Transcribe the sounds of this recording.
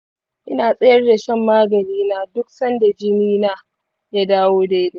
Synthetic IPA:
ʔɪ˦naː˨sʼɐ˦jɐ˦rda˨ʃɛ˦mːaː˦ɡɐ˨niː˦naː˦dʊ˦k̚sɐ˦nda˨d͡ʒɪ˦miː˦naː˦ | jaː˦daː˦woː˦da˨jɪ˦de˨

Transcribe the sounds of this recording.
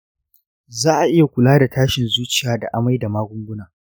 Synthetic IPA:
zaː˦ʔa˨ʔɪ˦ja˨kʷʊ˨laː˦da˨tʰaː˦ʃɪ˨nzuː˦t͡ʃɪ˨jaː˦da˨ʔa˨ma˦jda˨maː˦ɡʷʊ˦ŋɡʷʊ˦naː˨

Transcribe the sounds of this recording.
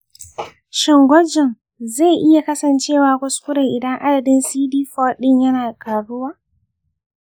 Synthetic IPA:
ʃɪ˨ŋɡʷɔ˦d͡ʒɪ˨n | ze˦˨ʔɪ˦ja˨kɐ˦sɐ˨nt͡ʃeː˦˨waː˨kʷʊ˦skʷʊ˦ɾɐ˨ʔɪ˨dɐ˦ŋʔa˦dɐ˨dɪ˦nsiː˦diː˦fɔ˦ɗɪ˦ɲjɐ˦naː˨kaː˨ɽʊ˦waː˦

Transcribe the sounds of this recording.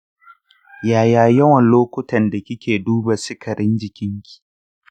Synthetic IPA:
jaː˨jaː˨jɐ˦wɐ˨nloː˦kʷʊ˦tɐ˨nda˨kʲɪ˦kʲeː˨duː˦ba˨sɪ˦kʰɐ˨ɾʔɪ˦nd͡ʒɪ˨kʲɪ˦ŋkʲi̥ː˨

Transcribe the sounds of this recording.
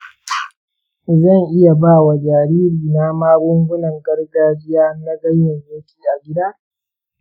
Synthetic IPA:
ʔɪ˨zɐ˦˨ŋʔɪ˦ja˨baː˦˨wa˨d͡ʒaː˨ɾiː˦ɾiː˨na˦maː˦bʊ˦ŋɡʷʊ˦nɐ˨ŋɡɐ˦rɡaː˦d͡ʒɪ˦jaː˦na˦ɡɐ˦ɲjɐ˨joː˦kʲʰiː˦ʔa˨ɡʲɪ˦da˦

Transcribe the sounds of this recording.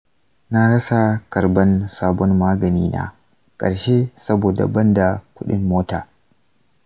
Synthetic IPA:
na˦ɽɐ˦sa˨kɐ˨ɾbɐ˦nsaː˦bɔ˦nmaː˦ɡɐ˨niː˦na̰˦ | kʼɐ̰˨ɽʃe˦sɐ˦boː˨da̰˨bɐ˦nda˨kʷʊ˦ɗɪ˦mːoː˦taː˨

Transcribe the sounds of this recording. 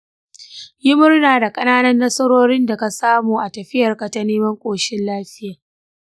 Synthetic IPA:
jɪ˦mʊ˦rnaː˨da˨kʼɐ˦naː˦nɐ˦nːɐ˦sɐ˦ɾoː˦ɾɪ˦nda˨ka˨saː˦muː˨ʔa˨tɐ˨ɸɪ˦jɐ˨rka˨ta˦neː˦mɐ˦ŋkʷʼoː˨ʃɪ˦nlaː˦ɸɪ˦jaː˨

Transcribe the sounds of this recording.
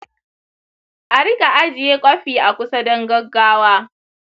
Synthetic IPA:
ʔa˨ɾɪ˦ka˨ʔa˦d͡ʒɪ˨jeː˦kʷʼɐ˦ɸiː˨ʔa˨kʷʊ˦sɐ˦dɐ˦ŋɡɐ˦ɡːaː˦waː˦

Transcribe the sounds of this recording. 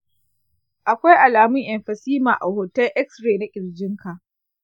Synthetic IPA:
ʔa˨kʷa˦jʔa˨laː˨mʊ˦ŋʔɛ˨mɸɐ˨siː˦maː˨ʔa˨hoː˨tɛ˦lʔɛ˦k̚sɾeː˨na˦kʲʼɪ˨ɽd͡ʒɪ˦ŋka˨ʔ

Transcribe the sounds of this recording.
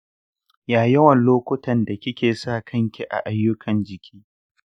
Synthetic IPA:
jaː˨jɐ˦wɐ˨nloː˦kʷʊ˦tʰɐ˨nda˨kʲɪ˦kʲeː˨saː˦˨kʰɐ˦ŋkʲi˦ʔa̰˨ʔa˦jːʊ˦kʰɐ˨nd͡ʒɪ˨kʲʰiː˦

